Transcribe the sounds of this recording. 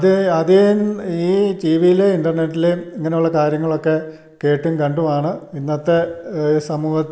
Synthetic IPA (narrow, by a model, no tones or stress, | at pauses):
ɐðɐðeniːʈiːʋijileiɳɖɐrneʈːileiŋːɐneuɭːɐkaːɾjɐŋːɐɭo̞kːe̞ | ke̞ːʈːumkɐɳɖumaːɳɨinːɐt̪ːe̞sɐmuːhɐ